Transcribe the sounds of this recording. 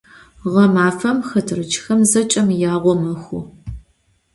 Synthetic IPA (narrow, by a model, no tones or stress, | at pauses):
ʁɐmaːfɐmxɐtʰɨrɨd͡ʒxɐmzɐt͡ʃʼɐmjaːʁʷɔmɐxʷʊ̰